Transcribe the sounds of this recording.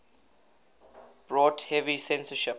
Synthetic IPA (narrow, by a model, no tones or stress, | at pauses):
b̥ɹɔːthɛvisɛ̃nsəʃɪp